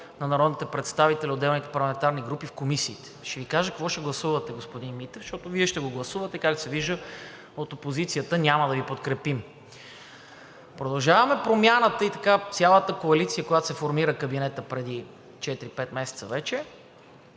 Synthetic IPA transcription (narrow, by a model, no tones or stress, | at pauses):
nɐnɐɾɔd̪nit̪ɛpɾɛt̪st̪avit̪ɛlʲiod̪ːɛlˠnit̪ɛ̥pɐɾlˠɐmɛnt̪aɾniɡɾupifkomisiːt̪ɛ̥ʃɛvikaʒəkɐkvɔʃɛɡlˠɐsuvət̪ɛɡospod̪inmit̪ɛfʃt̪ɔt̪oviɛʃt̪ɛɡoɡlˠɐsuvət̪ɛkakd̪sɛviʒə | ot̪opozit̪sijət̪ənʲaməd̪ɐvipot̪kɾɛpim | pɾod̪ɐlˠʒavɐmɛpɾomʲjanət̪əit̪ɐkat̪sʲjalˠət̪əkoɐlit̪sijəkojat̪o̥sɛfoɾmiɾəkəbinɛt̪əpɾɛd̪i | t͡ʃɛt̪iɾipɛt̪mɛsɛ̥t̪səvɛt͡ʃɛ